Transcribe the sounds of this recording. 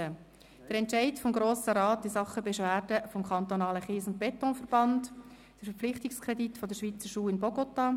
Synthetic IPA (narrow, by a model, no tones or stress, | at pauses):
ə | d̥əɾɛntʃaɪtfɔmɡɾoːsəɾɑːtɪsɑχəbɛʃʋæːɾdəfɔmkʰɑnt̪onɑːləχiːsʊnt̚b̥ɛtɔːnfəɾb̥ɑnd | d̥əɾfəɾflɪχtɪkskʰʁɛditfɔdəɾʃʋiːt͡səʃuːɪnbɔɡ̥ɔtɑ